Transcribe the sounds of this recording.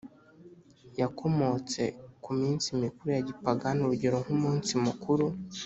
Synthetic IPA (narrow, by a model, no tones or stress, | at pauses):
jakʰo̞mo̞t͡se̞kumiːnsimikuɾujaɟipaɡanuɾuɟiɾoŋ̥humuːnsimukuɾu